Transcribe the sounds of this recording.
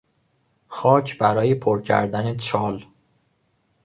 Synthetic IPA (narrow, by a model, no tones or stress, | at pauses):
xɒːcʰbæɾɒːjepʰoɾcʰæ̰ɾd̪ænet͡ʃʰɒːl